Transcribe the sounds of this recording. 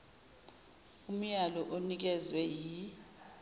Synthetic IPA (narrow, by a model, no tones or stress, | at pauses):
um̩jalɔʔonik̬ɛzwɛji